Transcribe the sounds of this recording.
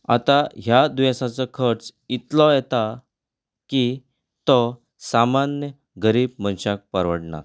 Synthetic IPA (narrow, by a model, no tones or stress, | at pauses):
a̰t̪aɦjad̪ujasat͡sɔkʰəɾt͡sit̪lɔjɛt̪a | ki | t̪ɔ | samanjə | ɡəɾiːb̚mənɕak̚pəɾʋəɽɳa̰ɾ